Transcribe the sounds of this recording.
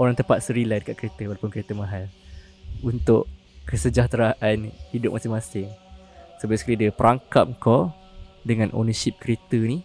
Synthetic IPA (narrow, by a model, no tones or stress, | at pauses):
oɾaŋt̪əmpat̪̚səɾiladəkaʔ̪kəɾet̪əwalapʊnkəɾet̪əmaɦal | unt̪ʊʔ | kəsəd͡ʒaht̪ɾaʔanhidʊp̚masɪmasɪŋ | səbaskəɾidəpəɾaŋkam̚kɔ | dəŋãnʔo̰nəʃip̚kəɾet̪əni